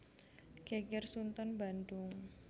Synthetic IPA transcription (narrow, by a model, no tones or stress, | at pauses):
kekɪrsunt̪ɔnbandʊŋ